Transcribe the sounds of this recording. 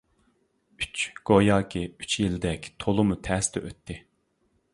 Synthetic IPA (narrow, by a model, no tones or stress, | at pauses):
yt͡ʃɡ̥ojɑːkʲʰiyt͡ʃʰjilɪd̪ɛkʲt̪ʰolˠumut̪ʰɛːst̪ɛʔøt̪ʰːɪ